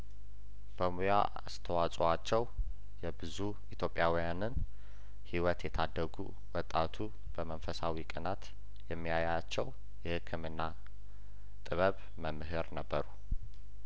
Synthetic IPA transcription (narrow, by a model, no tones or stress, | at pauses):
b̥əmuja̰ | a̰st̪ʰəwat͡sʼoat͡ʃːɛw | jɛbɨzu | it̪ʰjo̞pʼːjawijanɨn | hiwɔt̪jɛt̪ʰad̪ːəɡṵ | wɔt̪ʼːat̪ʰu | b̥əmənfəsawikʼənat̪ | jɛmːijajat͡ʃːɛw | jɛhɨkʰːɨmɨnːa | t̪ʼɨβəβ | məmːɨɦɨɾnəbːəɾu